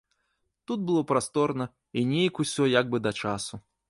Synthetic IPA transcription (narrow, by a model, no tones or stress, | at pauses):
t̪ud̪̚bɨlˠɔpɾast̪ɔrnɐ | inʲejkusʲɔjaɡ̚bɨd̪ɐt͡ʂasu